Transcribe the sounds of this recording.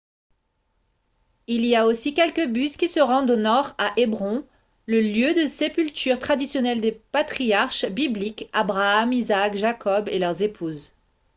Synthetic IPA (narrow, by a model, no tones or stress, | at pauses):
iliaosikʲɛlkəbyskʲisəʁɑ̃d̪onɔʁaʔebʁɔ̃ | ləljød̪əsepylt̪ʰyʁt̪χad̪isjɔnɛld̪epat̪χijaʁʃbiblikabʁaːmizakʒakʰɔbelœʁzepʰuz